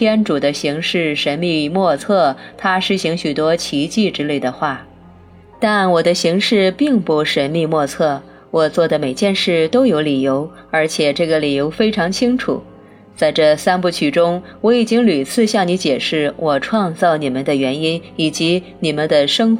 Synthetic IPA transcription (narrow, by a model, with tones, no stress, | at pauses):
t̪ʰjɛ˥nʈ͡ʂu˨˩d̪ə˦ɕi˧˥ŋʂɻ̩˥˩ʂə˧˥nmi˥˧mwɔ˥˧t͡sʰɤ˥˩t̪ʰa˥ʂɻ̩˥ɕi˧˥ŋɕy˨˩t̪wɔ˥t͡ɕʰi˧˥t͡ɕi˥˩ʈ͡ʂɻ̩˥le˥˩ɪd̪ə˩xwa˥˩ | t̪a˥˩nwɔ˨˩d̪ə˦ɕi˧˥ŋʂɻ̩˥˧pi˥˩ŋpu˥˩ʂə˧˥nmi˥˧mwɔ˥˧t͡sʰɤ˥˩ | wɔ˨˩t͡swɔ˥˩d̪ə˩me˨˩ɪt͡ɕjɛ˥˧nʂɻ̩˥˩t̪o˥ʊjo˧˥ʊli˨˩jo˧˥ʊ | ə˞˧˥t͡ɕʰjɛ˨˩ʈ͡ʂɤ˥˩ɡə˩li˨˩jo˧˥ʊfe˥ɪʈ͡ʂʰɑ˧˥ŋt͡ɕʰi˥ŋʈ͡ʂʰṵ˨˩˦ | t͡sa˥˧ɪʈ͡ʂɤ˥˩sa˥npu˥˩t͡ɕʰy˥˩ʈ͡ʂʊ˥ŋwɔ˧˥i˨˩t͡ɕi˥ŋly˨˩t͡sʰɹ̩˥˧ɕjɑ˥˩ŋni˧˥t͡ɕjɛ˨˩ʂɻ̩˥˩wɔ˨˩ʈ͡ʂʰwɑ˥˧ŋt͡sɑ˥˩ʊni˨˩mə˦nd̪ə˧ɥɛ˧˥ni˥ni˨˩t͡ɕi˧˥ | ni˨˩mə˦nd̪ə˨ʂɤ˥ŋ